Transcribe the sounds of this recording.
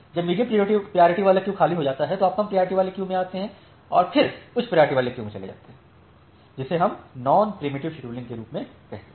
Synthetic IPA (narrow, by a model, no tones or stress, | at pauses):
d͡ʒɐbmiːɾĩpɾioːʈipɾijaːɾɪʈiʋaːlakjũxʰaːliɦod͡ʒaːt̪aɦɛt̪oaːp̚koɦɐmpɾijaːɾɪʈiʋaːlekjũmẽaːt̪eɦɛ̃ː | ɔ̰ːɾfʰɪɾʊt͡ʃʰpɾijaːɾɪʈiʋaːlekjũːmẽt͡ʃɐlḛd͡ʒa̰ːt̪eɦɛ̃ | d͡ʒɪseɦɐmnɔːnpɾɪmɪʈɪʋʃʈɾuːlɪ̃nkeɾuːpmẽ | kɛɦt̪e